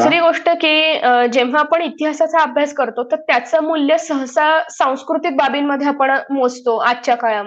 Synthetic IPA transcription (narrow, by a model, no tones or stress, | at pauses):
sɾiːɡoʂʈəkiːd͡ʑeʋ̤aːpəɳit̪iɦasat͡saəbʱjaskəɾt̪ot̪əɾt̪jat͡səmuljəsəɦəsasãw̃skɾut̪ik̚babinːəd̪ʱjeapəɳmod͡zʱt̪oatːɕjakajam